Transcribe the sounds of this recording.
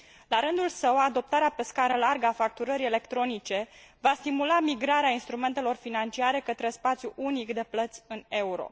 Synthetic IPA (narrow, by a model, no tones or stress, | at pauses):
laɾɨnd̪ulsəwad̪o̞p̚t̪aɾeape̞skaɾəlarɡəafak̚t̪uɾəɾie̞le̞kt̪ɾo̞nit͡ʃe̞vast̪imulamiɡɾaɾeainst̪ɾume̞nt̪e̞lo̞rfinant͡ʃiaɾe̞kət̪ɾe̞spat̪sʲjuʔunikd̪e̞plət̪sʲɨne̞uɾo̞̰